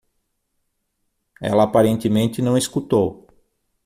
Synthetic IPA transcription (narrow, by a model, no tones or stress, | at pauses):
ɛ̰lɐːpaɾẽnt̪ɪmẽnt̪ɪnɐ̃w̃iskut̪ow